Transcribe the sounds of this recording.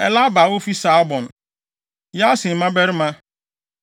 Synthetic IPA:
ɛ˨la˦ba˨wo˦fi˦sa˦bɔ̃˨n˨ | ja˦sɪ˨mã˦bɛ˦ɾɪ˦mã˦

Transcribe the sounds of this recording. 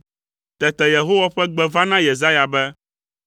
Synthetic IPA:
t̪ɛ˨t̪ɛ˨je˨ɦo˦wa˦ɸɛ˦ɡ͡bɛ˦vã˦nã˦je˨za˦ja˨bɛ˦

